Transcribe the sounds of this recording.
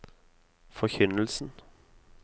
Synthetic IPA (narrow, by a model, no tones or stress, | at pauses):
fɔçʏnəlsn̩